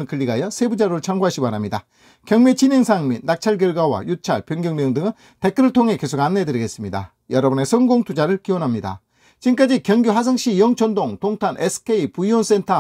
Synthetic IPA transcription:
nkɯʎːiɡajʌsʰe̞bud͡ʑaɾot͡ɕʰaŋɡuɦaɕ͈ʰimanamɲida | kjʌŋmet͡ɕineŋsʰaŋminːak̚t͡ɕʰaɭɡ̬jʌɭɡwawa̰jut͡ɕʰaɭpjʌŋɡjʌŋmjʌŋdɯŋɯn | te̞k͈ɯɾɯɭtʰoŋɦe̞ke̞sʰoɡanːedɯɾiɡe̞s͈ɯmɲida̰ | jʌɾʌbnesʰʌŋɡoŋtʰud͡ʑaɾɯɭkiwonɦamɲida̰ | t͡ɕink͈ad͡ʑikjʌŋɡjuɦas̬ʰɯŋɕ͈ijʌŋt͡ɕʰʌndoŋtoŋtʰanʔesʰɯ̥kʰe̞ipuiwʌns͈entʰa

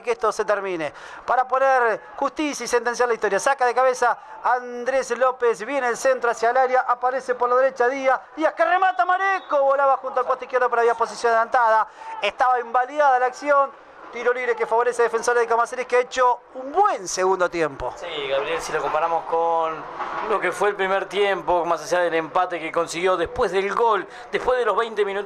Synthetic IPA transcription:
keeht̪o̞set̪eɾmĩne | paɾapo̞neɾxuht̪isjaisent̪e̞ns̬jaɾlaiçt̪o̞ɾjasakaðekaβesaː | nd̪ɾeslopesβjeneelsent̪ɾoasjalaɾjaʔapaɾesepoɾlaðeɾet͡ʃaðiaiakeremat̪amaɾekoβolaβaxunt̪̬oalkot̪oihkjeɾðop̬eɾaβjapo̞s̬isjonaðelant̪aðaeht̪aβaembaljaðalaksjo̞n | t̪iɾoliβɾekefaβo̞ɾeseðefenso̞ɾaðekamaseɾikeaet͡ʃoumbwenseɣund̪ot̪je̞mpo̞̰siɣaβɾijelsiloko̞mpaɾamo̞skonlo̞kefweːlpɾimeɾt̪jempomasaʒaðelempat̪ekeko̞nsiɣjo̞ðepweɦðelɡol | d̪ehpweðeloɦβɛjnt̪emĩnut̪

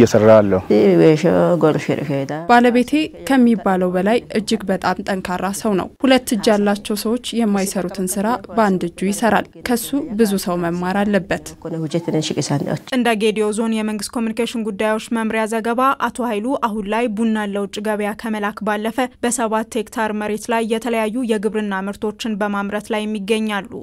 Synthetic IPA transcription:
jɛsərːaalːəweʃo̰ɡoɾʃeɾḭfeed̪abaləβe̞t̪ʰe̞kʰəmːibaləwbəlajɨd͡ʒːɪɡbət̪ʼamt̪ʼəŋkʰaɾːasəwnə̰whulət̪ːɨd͡ʒːalːat͡ʃːɛwsəwo̞t͡ʃːjɛmːajsəɾut̪ʰɨnsɨɾabəand̪ɨd͡ʒːujɪsəɾa̰lkʰəsːubɨzusəwməmːaɾalːəbːət̪konəhud͡ʒɛt̪ɨnənʃɪkʼɨsana̰ot͡ʃːʼɨnd̪aɡed̪iozo̞njɛməŋɡɨst̪kʰo̞mjunikeʃɪnɡud̪ːajwo̞t͡ʃːməmɾjazəɡəβaʔat̪ʰo̞hajluʔaɦunlajbunːalːəwt͡ʃʼːɪɡəβjakʰəməlakbalːəfəbəsəβat̪ʰːekt̪ʰaɾməɾe̞t̪lajːɛt̪ʰələjajːujɛɡɨβɾɨnːamɨɾt̪ʰo̞t͡ʃːɪnbəmamɾət̪lajːɛmːiɡːəɲːalːṵ

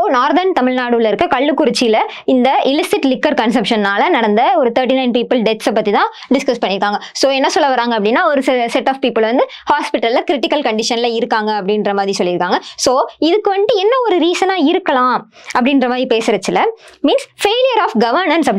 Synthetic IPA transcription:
oːnaːɾðɐɾnt̪ɐmɪlnaːɽɯʋlɐɪɾɯkːɐkɐɭːɯkːʊɾɪt͡ʃːɪjɪlɐ | ɪnd̪ɐʔɪlɪsɪʈlɪkːɐɾkɐnsɐpʂɐnnaːlɐnɐɽɐnd̪ɐɔɾɯt̪ʰɐːɾʈinɐɪnpiːpːɪlɖɛt̪sɐpːɐt̪ːit̪ãː | ɖɪskɐspɐɳːɪɾɯkːaːŋɡɐsoːɛnːɐsɔlːɐʋɐɾaːŋɡɐpːɐɽɪnːaːɔɾɯssɛʈːaːfpiːpːɪlʋɐnd̪ɯ | haːspɪʈːɐllɐkɪɾɪʈɪkːɐlkɐɳɖɪʂɐnɪlɐɪɾɯkːaːŋɡɐːpːɐɽɪnɾɐmaːðɾisɔlːɪɾɯkːaːŋɡɐsoːɪðɯkːɯʋɐɳɖɯɛnːɐɔɾɯɾiːsɐnaːɪɾɯkːɐlãː | ɐpːɐɽɪnɾɐmaːðɾipeːsɾɐt͡ʃːɪlɐmiːnsfeːlɪjɐɾaːfɡɐʋɐɾnɐnsɐpː

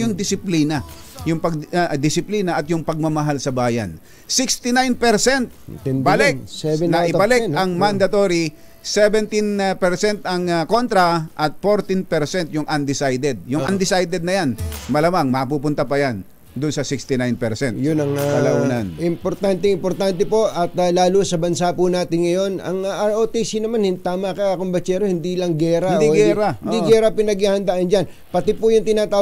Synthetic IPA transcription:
jʊŋd̪ɪsɪpliːnɐjʊŋpɐɡ̚d̪ɪsɪpliːnɐʔɐt̪jʊŋpɐɡ̚mɐmɐɦalsɐbaːjɐ̰n | sɪkst̪ɪnajnpɛɾsɛnt̪̚balɛk̚nɐʔɪbalɛʔɐŋmand̪ɐt̪oɾi | sɛvɛnt̪ɪnpɛɾsɛnt̪ɐŋko̞nt̪ɾɐʔɐt̪̚foɾt̪inpɛɾsɛnt̪jʊŋʔɐnd̪ɪsajd̪ɛd̪̚jʊŋʔɐnd̪ɪsajd̪ɛd̪nɐjanmɐlamaŋmɐpuːpʊnt̪ɐpɐjan | d̪ʊnsɐsɪkst̪ɪnajnpɛɾsɛnt̪jʊnɐŋaɐlɐʔuːnɐnʔɪmpoɾt̪ant̪ɛɪmpoɾt̪ant̪ɛpo̞ʔɐt̪ɐlaːlusɐbɐnsapʊnaːt̪ɪnŋɐjo̞nɐ̰ŋʔaɾʔot̪isinɐmanhɪnt̪aːmɐkɐakoŋbɐt͡ʃɛːɾohɪnd̪ilɐŋɡɛːɾand̪iɡɾaɪnd̪iɡɛːɾɐpɪnɐɡahɐnd̪aʔɐnd͡ʒan | pɐt̪ɪpʊjʊŋt̪ɪnaːt̪aː

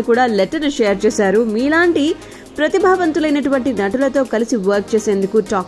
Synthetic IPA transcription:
kuːɽaːlɛʈːɐɾnʃeːɐɾt͡ʃɛːsaːɾumiːlaːɳʈi | pɾɐt̪ibʱaːʋɐnt̪ulɐjnɐʈuʋɐɳʈinɐʈulɐt̪o̞ːkɐlisiʋɐɾk̚t͡ʃeːse̞ːnd̪ukuʈaː

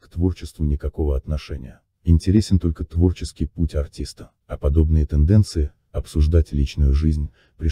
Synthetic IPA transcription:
kt̪vo̞rt͡ɕɪst̪vʊnʲɪkɐko̞vəɐt̪nɐʂɛnʲɪ̰jə | ɪnʲtʲɪɾʲesʲɪnt̪o̞lʲkət̪vo̞rt͡ɕɪskʲɪjputʲɐrtʲist̪ə̥ | ɐpɐd̪o̞bnɨjət̪ɨnd̪ɛnt̪sɨɪ | ɐpsʊʐd̪atʲlʲit͡ɕnʊjʊʐɨzʲnʲ | pɾʲɪ

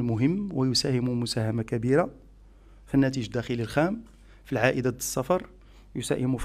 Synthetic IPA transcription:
lmʊɦəmːwəjʊsæhɪmumʊsæhæmakæbiɾa | finːæt̪̬iʒd̪ːæxəlilxæm | filʕaʔəd̪ad̪əsˤːɑfɑɾˤ | jʊsæ̰hɪmuf

